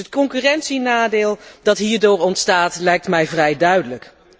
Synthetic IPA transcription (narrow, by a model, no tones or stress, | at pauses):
ətkɔŋkyːrɛntsinaːdɪːlˠdɑtɦiːɹdoːɹɔntstaːtlɛjk̚tmɛjvrɛjdœɥdələk